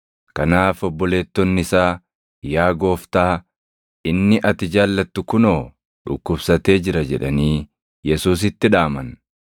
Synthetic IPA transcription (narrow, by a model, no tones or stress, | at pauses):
kɐnaːfɔbːɔle̞ːt̪ːɔnːɪsaː | jaːɡo̞ːft̪aː | ɪnːɪʔɐt̪ɪd͡ʒaːlːɐt̪ːʊkʊno̞ː | ᶑʊ̰kːʊbsɐt̪e̞ːd͡ʒɪɾɐd͡ʒɛᶑɐniː | jɛsuːs̬ɪt̪ːɪᶑaːmɐn